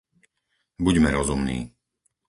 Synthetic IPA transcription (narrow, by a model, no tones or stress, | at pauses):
buɟmɛɾɔzumnḭː